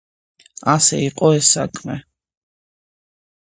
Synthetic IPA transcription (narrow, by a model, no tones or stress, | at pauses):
asɛ̰iqʼɔɛsːakʰmɛ